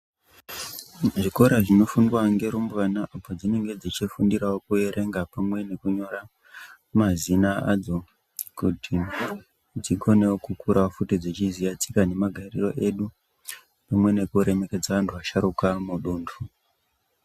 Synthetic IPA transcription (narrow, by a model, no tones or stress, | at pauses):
ʐiko̞ɾaʐino̞fundwaŋɡe̞ɾumbuʋanaʔapod͡zine̞ŋɡe̞d͡zit͡ʃifundiɾawokue̞ɾʔe̞ŋɡapamwe̞ne̞kuɲo̞ɾa | mazinaad͡zo̞ | kutʰi | d͡ziɡo̞newokukuɾʔafutid͡zit͡ʃizijat͡si̥kane̞maɡʱarḭro̞̰ʔe̞ɗu | pamwe̞ne̞kuɾe̞me̞ke̞d͡zaʋantʰuʋaʃaɾukamuɗuːndu